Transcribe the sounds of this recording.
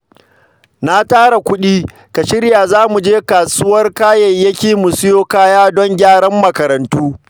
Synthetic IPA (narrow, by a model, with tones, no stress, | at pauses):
na˦taː˦ɽa˨kʷʊ˦ɗiː˦ | ka˨ʃɪ˦ɽja˨zaː˦mu˨d͡ʒeː˦kaː˨sʊ˦wɐ˦rkaː˦jɐ˨jːɐ˦kʲeː˨mʊ˨sʊ˦joː˦kaː˦jaː˦dɔ˦ŋɡʲaː˦ɽɐ˦mːɐ˨kɐ˨ɾɐ˨ntuː˦